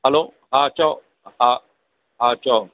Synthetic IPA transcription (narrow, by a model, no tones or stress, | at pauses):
halo | hat͡ʃɔ | ha | ɦat͡ʃɔ